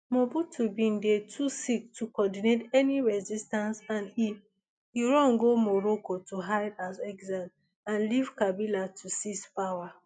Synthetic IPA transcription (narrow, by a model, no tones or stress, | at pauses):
mɔbutʰubĩndetʰusik̚tʰukɔdinetɛniɹɛzistãnsãni | uɹɔ̃nɡomɔɹokotʰuɦaɪdazɛɡzãm | ãnlivkabilatʰusispawa